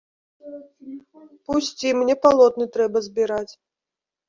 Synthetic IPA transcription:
pusʲt͡sʲimnʲɛpalˠɔt̪nɨt̪ɾɛbɐzʲbʲiɾat͡sʲ

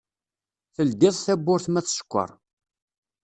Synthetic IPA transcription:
θəld̪ɪðˤθæbːʊɾθmæθʃə̥kʷːə̰ɾˤ

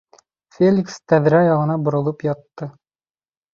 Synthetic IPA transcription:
fʲelʲikst̪æðɾæjɒʁɤ̆nɑbŏɾŏlˠɤpjɑt̪ːɤ

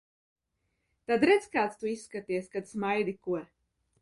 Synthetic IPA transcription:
t̪ad̪ɾɛd̪zkaːt̪st̪uisːkat̪iɛskad̪smajd̪ikuɔ

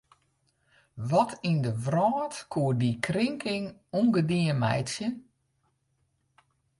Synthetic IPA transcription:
ʋɔtʰindəʋrɔːtkʰuədikrɪŋkʰɪŋuŋɡədiənmɛ̰jtsjən

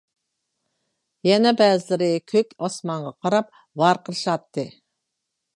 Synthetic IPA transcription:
jɛnɛbæːzlɪɾɪkʲʰøkʲɑsmɑɴʁɑqʰɑɾɑp̚ | vɑɾqʰəɾʃɑt̪ːɨ

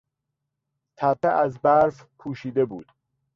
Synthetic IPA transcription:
t̪ʰæpeʔæzbæɾfpʰuːʃiːd̪ebuːd̪̥

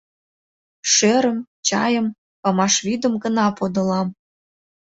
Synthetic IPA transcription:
ʃeɾə̆m | t͡ɕɑ̰jə̆m | pɑmɑʃβid̪ə̆mɡə̆nɑpod̪ɤ̆lɑm

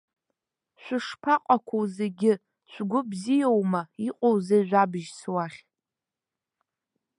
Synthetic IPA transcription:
ʃʷᶣʊʂpʰaqʼakʷʰowzeɡʲɪ | t͡ʃʷʰɡʷʊbzijowmaiqʼowzeʒᶣʷabɨʒswaχʲ

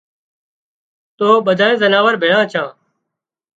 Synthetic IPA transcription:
t̪oːɓəd̪ʱaːẽːzənaːʋəɾbʱeːɭãːt͡ʃʰãː

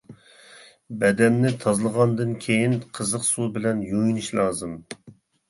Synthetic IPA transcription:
bɛd̪ɛnːɪt̪ʰɑzlˠəʁɑnd̪ɨnkʲʰejinqʰəzəqsubɪlɛnjujinɨʃlˠɑːzɨm

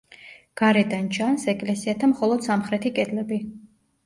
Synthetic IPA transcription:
ɡ̥aɾɛd̪ant͡ʃʰansɛkʼlɛsiat̪ʰamχɔlˠɔd̪̥samχɾɛt̪ʰikʼɛd̪lɛbi

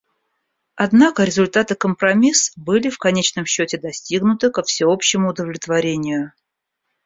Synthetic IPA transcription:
ɐd̪nakəɾʲɪzʊlʲt̪at̪ɨkəmpɾɐmʲisbɨlʲɪfkɐnʲet͡ɕnəmɕːɵtʲɪd̪ɐsʲtʲiɡnʊt̪ɨkəfsʲɪo̞pɕːɪmʊːd̪əvlʲɪt̪vɐɾʲenʲɪjʊ

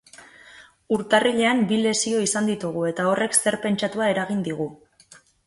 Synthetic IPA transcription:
uɾt̪ariʎe̞ambile̞sio̞isand̪it̪uɣ̞ue̞t̪ao̞re̞kse̞ɾpe̞nt͡ʃat̪uae̞ɾaɣind̪iɣ̞u

